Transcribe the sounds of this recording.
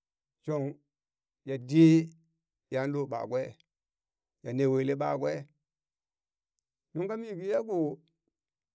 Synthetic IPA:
t͡ʃo˨ŋ | ja˨di˦ | ja˨˦n˦lo˦˨ɓa̰˨ɡʷɛ˦˨ | ja˨ne˨we˨le˦ɓa̰˦˨ɡwɛ˦ | nũ˦ŋ˦ka˦mi˦˨ɡi˦ja˦ku˨

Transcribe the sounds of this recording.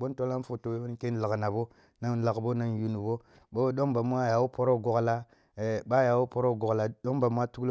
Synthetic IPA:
bo˦nto˦la˦fo˨to˨we˦bo˦nke˦n˦la˨kna˨bo˦ | na˦nla˨kbo˦na˦nju˨nu˨bo˦ | bo˦ɗo˦ŋba˨mu˦a˦ja˨wu˦po˦ɾo˦˨ɡo˨ɡla˦˨ | ba˦ja˨wo˦po˦ɾo˦˨ɡo˨kla˨do˦ŋba˨mu˦a˦tu˦kl

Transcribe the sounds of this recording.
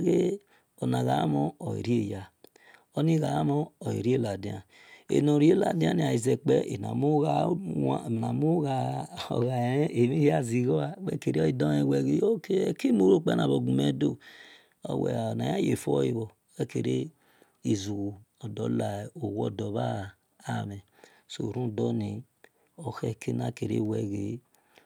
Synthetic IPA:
ɣe˦ | ɔ˨na˨ɣa̰˨˦mo˦o˨ḭ˨ɾi˦e˦˨ja˨ | o˦ni˦ɣa˨˦mɔː˦˨ḭ˨ɾi˦e˦la˨di˨a˨ | ḛ˨no˨ɾi˦e˦la̰˨di˦a˦ni˨a˨i˨ze˨k͡pɛ˦ʔḛ˨na̰˨mu˦ɣa˨ | na˨mu˦ɣa˨ɔ̰˨ɣa˨˦e˨mi˦i˦a˦zi˨ɣɔ˦a˨k͡pɛ˦ke˨ɾe˦i˨dɔ˦e˨wɛ˨ɣe˦jo˦ke˦˨ki˦mu˨˦ɾo˦˨k͡pɛ˦na˨βo˨ɡu˨me˨˦do˦˨ | ɔ̰˨wɛ̰˨na˨ja˦je˨fɔ˦ji˨βɔ˨ | ɛ˦ke˨ɾe˦ | i˨zu˨ɣu˨ɔ˨dɔ˨˦la˨o˨wɔ̰˦˨dɔ˨βaː˦˨ | mɛ˨ | so̰˨ɾũ˦˨dɔ˦ni˨ | ɔ˨xɛ˦˨ke˦na˨ke˨ɾḛ˦˨wɛ˨ɣe˨˦

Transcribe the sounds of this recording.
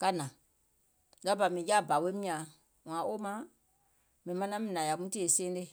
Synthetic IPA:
ka˦˨nã˨ | la˦ba˨mĩ˨ja˦˨ba˨we˦mĩ˦ã˨ | wã˨ʔo˦mã˦ | mĩ˨mã˧˦nã˦mĩ˨nã˨ja˨kũ˦ti˦e˨sẽ˦e˦

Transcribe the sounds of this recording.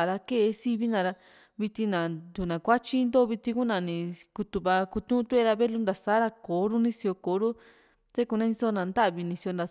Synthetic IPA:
a˨ɾa˧ke˦˧si˦βi˦nã˧ɾa˧ | βi˧t̪i˧nã˨d̪u˨nã˨kʷa˦t͡ʃi˦nd̪oː˦˧βi˧t̪i˧ku˦nã˨nĩ˧ku˧t̪u˧βa˧ku˧t̪ũ˦t̪u˦e˦˧ɾa˧βe˦lu˦nd̪a˨saː˦ɾa˧ko˨˦ɾu˦nĩ˦si˧o˧ko˨˦ɾu˦ | t̪e˦ku˧nã˦ĩ˧so˦˧nã˨˧nd̪a˦ʔβi˧nĩ˧si˧o˧nd̪a˨

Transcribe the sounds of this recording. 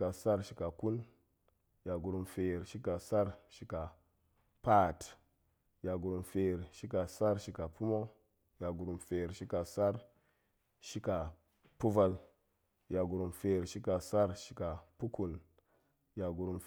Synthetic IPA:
ka˨sa˦ɾʃi˨ka˨ku˦n | ja˨ɡu˨ɾu˨mfe˨ɾʃi˦ka˨sa˦ɾʃi˨ka˨ | pa˦˨t | ja˨ɡu˨ɾu˨mfe˨ɾʃi˦ka˨sa˦ɾʃi˨ka˨pu˦mo˦ | ja˨ɡu˨ɾu˨mfe˨ɾʃi˦ka˨sa˦ɾ | ʃi˦ka˨ | pu˦va˦l | ja˨ɡu˨ɾu˨mfe˨ɾʃi˦ka˨sa˦ɾʃi̥˨ka˨pu˦ku˨n | ja˨ɡu˨ɾu˨m

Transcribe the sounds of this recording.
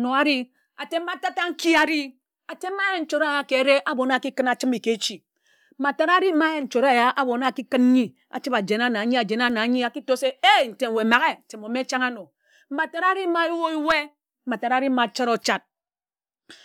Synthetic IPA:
no˨a˦ɾi˦ | a˨te˦m̩ː˦a˦ta˦ta˦ŋ̩˦ki˦a˨ɾi˦ | a˨te˦m̩ː˦a˦je˦n̩˦t͡ʃo˨ɾa˦˨ja˨ke˨˦ɾe˦ʔa˦bo˨na˦˨ki˦kɨ˦na˨t͡ʃɨ˦mi˨ke˨˦t͡ʃi˨˦ | ma˨ta˨ɾa˦ɾi˦ma˦je˦n̩˨t͡ʃo˨ɾa˦˨ja˦ʔa˦bo˨na˦˨ki˦kɨ˦n˦ɲi˦ | a̰˨t͡ʃɨ˦ba˨d͡ʒe˨n˦a˦na˨˦ɲi˦a˨d͡ʒe˨na˦na˨˦ɲi˦a˨ki˦to˦se˦e˦˨n̩˨te˨ŋ˨we˨ma˨ɣe˦n̩˨te˨mo˨me˦t͡ʃa˦ŋa˦no˨ | m̩˦ma˨ta˨ɾa˦ɾi˦ma˦i˦wo˦i˦we˦ | m̩˦a˨ta˨ɾa˦ɾi˦m̩˦ma˨t͡ʃa˦ɾo˨t͡ʃa˦t̚

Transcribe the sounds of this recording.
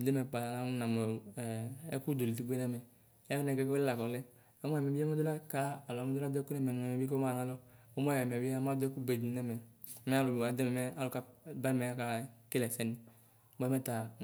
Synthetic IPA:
i˨de˦mɛ˨k͡pa˨a˦na˨mɛ˨ɛ̰˦ku˦do˨li˨ti˦ɡ͡be˦nɛ˦mɛ˨˦ | a˦knɛ˨ɡɛ˦kɔ˦lɛ˦la˨kɔ˨lɛ˦ | o˦mɔ˦ɛ˨mɛ˨bi˦ɛ˦mɛ˦do˦la˦ka˦a˨lɔ˨˦mɛ˦do˦la˦dɛ˦ku˦nɛ˦˨mɛ˨a˨mɛ˨bi˦kma˦˨na˨˦lɔ˦o˦mɔ˦˨ɛ˨m˨ɛ˨bi˦a˦˨˦ma˦dɛ˦ku˦be˨dnɛ˦mɛ˨mɛ˦a˦lu˨ba˨dɛ˦mɛ˨mɛ˦a˦lo˨ka˦ba˦mɛ˨a˦ka˨ke˦lɛ˨sɛ˦ni˨˦ | bɛ˦mɛ˦ta˨

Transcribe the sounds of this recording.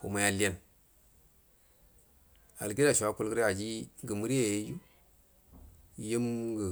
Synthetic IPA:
ko˨ma˨˦ja˨li˦ja˦n | a̰˨lɡi˦da˨ʃu˨a˦ku˦lɡə˦ɾe˦a˨d͡ʒi˦ɡə˨mu˦ɾi˦je˨je˦ju˦˨ | je˦mɡə˨

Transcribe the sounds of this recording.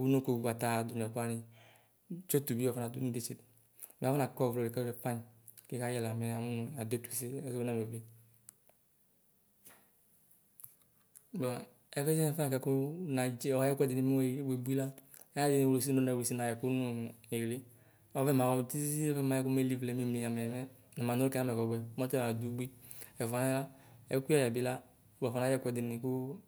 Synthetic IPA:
wu˦no˦ko˨ba˨ta˨du˨m˨ɛ˨ka˦ni˨ | t͡ʃo˦tu˨bi˦ɔ˨fna˨du˦ni˦de˨˦t͡ʃe˨d | m˨˦na˨kɔ˦˨vo˨le˨ka˦ɛ˦pa˦ɲ˨ | ke˦ka˦jɛ˦˨la˨mɛ˨a˨mu˦n˨a˨do˦tu˨i˨se˦ɛ˦zo˦be˦na˨m˨e˨be˦ | bɔ˨ | ɛ˨˦kɛ˦d͡ʒɛ˦ɛ˨fɛ˦a˨kɛ˨˦ku˦na˨d͡ʒa˨˦jɛ˦kʷɛ˦di˨ni˨m˦˨we˨bu˦i˦la˦ | ɛ˦a˦di˨ni˨o˨lo˨s̬i˦o˦na˨e˨si˦na˨jɛ˨ku˦nu˦˨e˨le˦ | ɔ˦vɛ˦ma˨wɔ˨ti˦zzi˦ɔ˦vɛ˦˨ma˨˦ɛ˦ku˦me˦li˦vlɛ˨mi˦mli˨ja˨mɛ˨mɛ˦ | nɛ˨ma˨no˦kɛ˦a˦mɛ˨kɔ˨ɡɛ˨˦mɔ˦tɛ˦˨a˨du˨˦bi˦ɛ˨vɔ˨na˦la˦ɛ˦kʷi˦ɔ˦ja˨bi˨˦la˦ | bɛ˨vɔ˨nã˨˦ɛ˦kʷɛ˦˨di˨ni˨ku˦

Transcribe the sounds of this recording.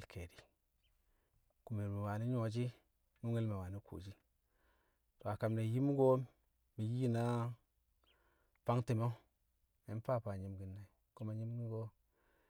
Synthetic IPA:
lkʰe˨di˨ | ku˨mi˨ɾmi˨wa˨ni˦ɲo˨d͡ʒi˦ | nu˦ŋe˦lme˨wa˨ni˦kʰo̰˨d͡ʒi˦ | to˨a˨ka˨mne˨ji˦mu˦ɡo˦ | mi˨ji˦na˦ | pa˦ŋti˨mo˦ | e˦n˦pa˦˨pa˨ɲi˦mɡi˨nːa˨i˨ | ko˦ma˨ɲi˦mɡi˦ɡo˦

